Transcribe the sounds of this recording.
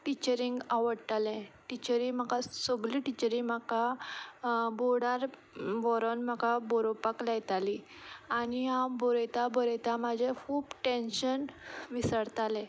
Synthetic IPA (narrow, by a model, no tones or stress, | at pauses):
ʈit͡ɕəɾiŋɡaʋəɽʈ̪alɛ̃ʈit͡ɕəɾim̤akasɔɡliʈit͡ɕəɾĩmaka | boɽaɾ | ʋɔɾɔnm̤akaboɾopaklɛjt̪ali | añiɦãbɔɾet̪abɔɾət̪amad͡ʑʱekʰuːbʈenɕənʋisəɽt̪alɛ̃